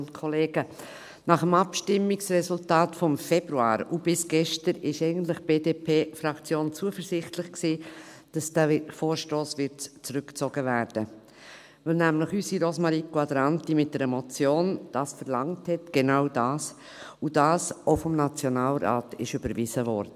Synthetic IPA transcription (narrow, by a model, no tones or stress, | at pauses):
ntkʰɔleːɡ̥ə | nɑχəmɑpʃtɪmːɪksrɛsʊltɑːtfɔmfɛb̥ɾuɑ̰ːɾub̥ɪsɡ̥ɛʃtəɾɪʃɛɪɡən̩t̬lɪχb̥eːdeːpʰeːfrɑkt͡sjoːnt͡suəfəɾzɪχtlɪχksiːd̥ɑsd̥æfoːɾʃtoːsʋɪt͡sɾʏkt͡soɡ̥əvæːɾd̥ə | vɪlnæmlɪχysiɾosmɑɾikoɑdəɾɑntimɪt̚d̥ɛɾɛmot͡sjoːnd̥ɑːsfəɾlɑŋthɛtɡ̥enaʊdɑːs | ud̥ɑːsoʊfɔmnɑt͡sjonɑːlɾɑ̰ːtɪ̰ʃʏb̥əɾvɪzəvɔ̰ɾd̥ə